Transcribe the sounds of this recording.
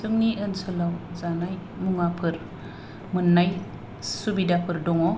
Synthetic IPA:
sɯmniɯnsɯlawzanaj | muŋapʰɯɾ | mɯnːaj | subidapʰɯɾdɔŋɔ

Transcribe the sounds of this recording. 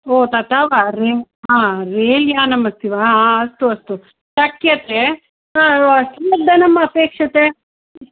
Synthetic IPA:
oːt̪at̪aːʋaɾe | ɦãːɾeːljaːnɐmɐst̪ʰiʋaːɦaɐst̪uɐst̪u | ʃɐkjɐt̪e | aːɐst̪iɐd̪ːɐnɐmːɐːpeːkʂɐt̪e

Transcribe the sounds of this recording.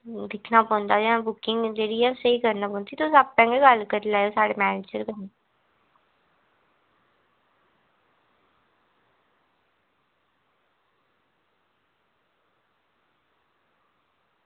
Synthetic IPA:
d̪ɪkʰnaːpɔ̃ːnd̪aːd͡ʒãbʊkɪŋɡd͡ʒeːɽiːɛsəikəɾnaːpɔ̃ːnt̪ʰit̪osəbpɛ̃ːŋɡeɡəlkəɾlaːjosaːɽeːmɛːneːd͡ʒəɾkəne

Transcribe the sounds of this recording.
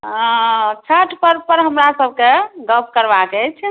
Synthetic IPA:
t͡ʃʰəʈʰpəɾpəɾɦəmɾasəb̚ʱkeɡəp̚ʰkəɾbakɛt͡ʃʰ

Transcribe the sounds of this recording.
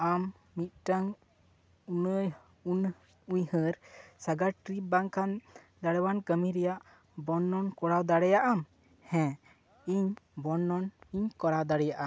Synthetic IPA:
amː | it̪̚ʈəŋ | unəj | un | uɲhəɾsaɡaɾʈɾip̚baŋkʰan | d̪aɽɛwankəmiɾɛjaʔ | bɔnːɔnkɔɽawd̪aɽɛjaʔam | hɛ̃ | iɲbɔnːɔniɲkɔɽawd̪aɽɛjaʔa

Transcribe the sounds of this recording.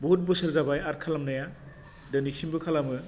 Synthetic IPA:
bɔut̚bɯsɯlzabajaɾkʰalamnaja | dɯnisimbɯkʰalamɯ

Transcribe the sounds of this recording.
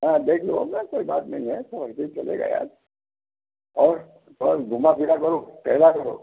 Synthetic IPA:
ɦɛ̃d̪eːkʰloa̰bnɛkoːibaːt̪nɐɦĩɦɛsoəit̪eit͡ʃɐlḛːɡa̰ːja̰ːd͡ʒ | ɔːɾ | ɔɡʱʊmapiɾakɐɾoːkɛɦlakɐɾo̰ː

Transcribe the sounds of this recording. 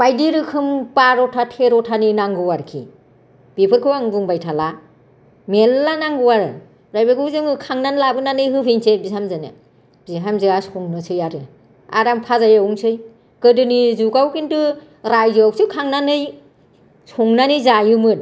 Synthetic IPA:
bajdiɾɯkʰɯmpaɾɔtʰatʰeɾɔtʰaninaŋɡɯwaɾkʰḭ | b̥ipʰɯɾkʰɯwaŋbuŋbajtʰala | melːanaŋɡɯwaɾɯ | ɾajbaɡɯwzɯŋɯkʰaŋnanlabɯnanɯjɦɯpʰeŋsebihamzanɯ̰ | b̥iɦamzɯasɔŋnɯsɯjaɾɯ | a̰ɾampʰazajawuŋsɯj | kɯdɯnizuɡawkintɯ | ɾajzɯawsʰɯkʰaŋnanɯj | suŋnanɯjzajɯmɯt̚

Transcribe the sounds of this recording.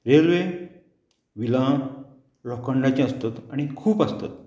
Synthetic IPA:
ɾelʋe | ʋilã | lɔkəɳɖat͡ɕẽəst̪at̪aɽ̃ikʰuːpast̪a̰t̪̚

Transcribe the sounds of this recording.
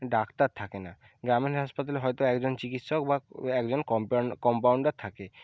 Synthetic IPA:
ɖakt̪aɾt̪ʰakena | ɡɾamenɦaʃpat̪aleɦɔjt̪oɛkd͡ʑont͡ɕikit̪ʃokbaɛkd͡ʑonkɔkɔmpawɳɖaɾt̪ʰake

